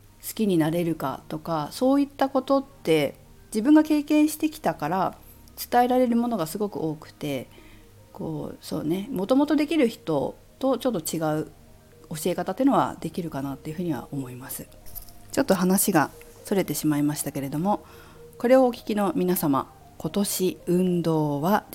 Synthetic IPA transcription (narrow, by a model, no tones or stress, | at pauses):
sɨ̥kʲiɲ̟inaɾe̞ɾɯ̟ka̰t̪o̞kaso̞ːit̪ːako̞t̪o̞t̪ːe̞ | d͡ʑibɯ̟̃ŋɡake̞ːkẽ̞ɰ̃ɕi̥t̪e̞kʲi̥t̪akaɾa | t͡sɨ̥t̪aeɾaɾe̞ɾɯ̟mo̞no̞ɡasɨɡo̞kɯ̟ʔo̞ːkɯ̟̥t̪e̞ | ko̞̰ːso̞̰ːne̞mo̞t̪o̞mo̞t̪o̞d̪e̞kʲiɾɯ̟çi̥t̪o̞̰ | t̪o̞t͡ɕo̞t̪ːo̞t͡ɕiɡaɯ̟ | o̞ɕie̞kat̪at̪ːeiɯnoβa̰d̪e̞kʲiɾɯ̟kanat̪ːe̞iɯ̟ɸɯ̟ɲ̟iβa̰ʔomo̞imasɨ̥ | t͡ɕo̞t̪ːo̞ɦanaɕiɡa | so̞ɾe̞t̪e̞ɕimaimaɕi̥t̪ake̞ɾe̞d̪o̞mo̞ | ko̞ɾe̞ookʲi̥kʲino̞mʲinasama̰ | ko̞t̪o̞ɕiɯ̟̃nd̪o̞ːβad̪